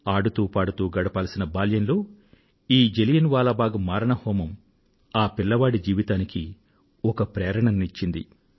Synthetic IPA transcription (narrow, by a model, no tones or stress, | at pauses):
aːɽut̪uːpaːɽut̪uːɡɐɽɐpaːlɐsinɐbaːljɐnlo̞ː | iːd͡ʒelijɐnʋaːlabaːɡumaːɾɐɳɐhɔːmɐm | aːpilːɐʋaːɽid͡ʒiːʋit̪aːniki | ɔkɐpɾeːɾɐɳɐnːit͡ʃːind̪ḭ